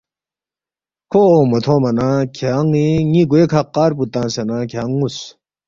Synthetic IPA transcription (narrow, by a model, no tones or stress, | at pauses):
kʰomɐt̪ʰõmɐnakʰeaŋiŋiɡuekʰaqːaːɾput̪ãːsenakʰeŋus